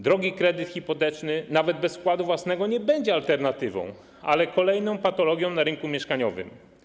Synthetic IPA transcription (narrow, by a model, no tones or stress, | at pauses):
d̪ɾɔɡʲikɾɛd̪ɘt̪xʲipɔt̪ɛt͡ʂnɘnavɛd̪̚bɛsfkwad̪uvwasnɛɡɔɲɛbɛɲd͡ʑɛalt̪ɛɾnat̪ɘvɔ̰̃w̃ | a̰lɛkɔlɛjnɔ̃w̃pat̪ɔlɔɡʲjɔ̃w̃naɾɘŋkumʲjɛʂkaɲɔvɘ̰m